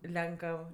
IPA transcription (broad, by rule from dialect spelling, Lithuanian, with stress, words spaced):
ˈlʲɛŋkəw